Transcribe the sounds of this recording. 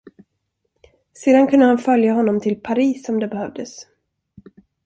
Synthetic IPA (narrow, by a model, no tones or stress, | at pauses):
seːd̪ankʰɵnd̪əhanfœljaɦɔnːɔmt̪ʰɪlpʰaɾiːsɔmd̪ɛbɛhœvd̪əs